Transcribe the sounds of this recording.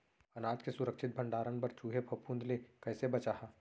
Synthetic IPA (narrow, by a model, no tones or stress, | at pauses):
ɐnaːd͡ʒkesʊɾəkʃɪt̪̚bʱɐ̃ɳɖaːɾənpɐɾt͡ʃuːɦepʰɐpũːnd̪lekɛːsebɐt͡ʃaːɦaː